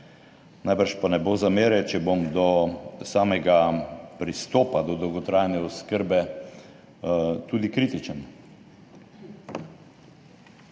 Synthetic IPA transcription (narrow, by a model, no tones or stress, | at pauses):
najbəɾʃpanɛbozameːɾɛt͡ʃɛbomd̪ɔsaːmɛɡapɾist̪oːpad̪ɔd̪ɔwɡɔt̪ɾajnɛɔskəɾbɛ | t̪uːd̪ikɾit̪it͡ʃən